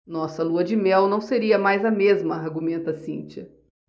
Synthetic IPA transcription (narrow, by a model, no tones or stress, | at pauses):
nɔsɐluɐd͡ʒɪmɛwnɐ̃w̃seɾiɐmajzɐmezmɐaɾɡumẽnt̪ɐsḭ̃t͡ʃɐ